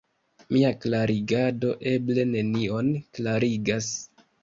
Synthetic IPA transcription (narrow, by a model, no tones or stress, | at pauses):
miaklaɾiɡado̞ʔe̞ble̞ne̞nio̞nklaɾiɡas